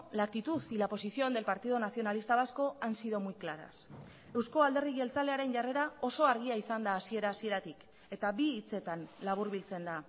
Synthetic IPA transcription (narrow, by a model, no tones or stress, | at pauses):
lakit̪usilapo̞sisio̞nd̪e̞lpaɾt̪ið̞o̞naθio̞nalist̪aβasko̞ansiðo̞mujklaɾa̰s | e̞wsko̞ald̪e̞riɣe̞lt͡sale̞aɾe̞nʝare̞ɾao̞so̞aɾɣ̞iaisand̪aːsie̞ɾaːsie̞ɾat̪ik | e̞t̪abiːt͡se̞t̪anlaβ̞uɾβilt͡se̞nd̪a